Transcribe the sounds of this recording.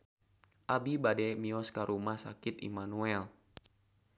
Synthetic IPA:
ʔabibadɛmiɔskaɾʔumahsakit̪ḭmanuɛl

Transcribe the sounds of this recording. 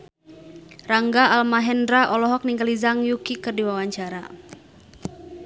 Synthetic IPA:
raŋɡaalmaɦɛndɾaʔɔlɔɦɔk̚niŋkəlizaŋjukikɨrdiwawaɲt͡ʃaɾa

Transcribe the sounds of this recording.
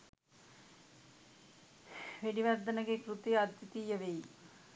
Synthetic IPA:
ʋeɽiʋɐɾd̪ɐnɐɡekɾut̪iat̪ːit̪ijɐʋej

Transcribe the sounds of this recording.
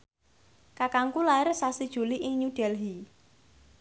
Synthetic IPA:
kakaŋkulaɪrsasid̥ʒ̥ṳliʔɪŋɲuɖ̥ɛlɦi

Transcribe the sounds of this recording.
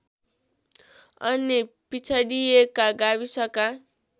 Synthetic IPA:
ʌnipit͡sʰaɽijekaɡabisʌka

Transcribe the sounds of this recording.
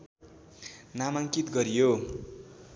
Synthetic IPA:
namaŋkit̪ɡʌɾijo

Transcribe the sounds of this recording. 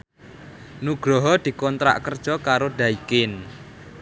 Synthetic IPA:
nuɡ̥ɾɔɦɔd̪̥i̤kɔnt̪ɾa̰ʔkərd̥ʒ̥ɔkaɾoɖ̪̥a̤ikɪn

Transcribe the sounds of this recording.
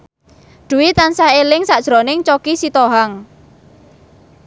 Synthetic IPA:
ɖ̪̥ṳwit̪ansahelɪŋsaʔd̥ʒ̥ɾonɪŋt͡ʃɔkisit̪oɦaŋ

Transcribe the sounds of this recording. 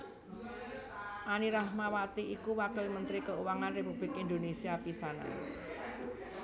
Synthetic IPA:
ʔaniɾahmawat̪iikuwakəlmənt̪ɾikəuwaŋanrepub̥lɪkind̪onesiapisana̰

